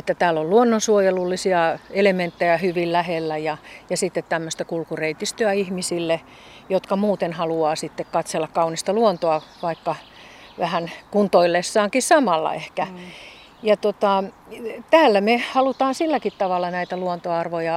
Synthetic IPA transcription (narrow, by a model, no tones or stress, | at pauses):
et̪ːæt̪æːlːolluonːonsuojelulːisiɑelement̪ːejɑhyʋillæhelːæjɑjɑsit̪ːet̪t̪æmːøst̪ækulkureit̪ist̪yæihmisilːe | jot̪kɑmuːt̪enhɑluɑːsit̪ːekkɑt̪selːɑkkɑunist̪ɑluont̪oɑʋɑikːɑ | ʋæhænkunt̪oilːesːɑːŋkissɑmɑlːɑ̰ehkæ | jɑt̪ot̪ɑ | t̪æːlːæmehɑlut̪ɑːnsilːækit̪t̪ɑʋɑlːˑɑnæit̪æluont̪oɑrʋojɑ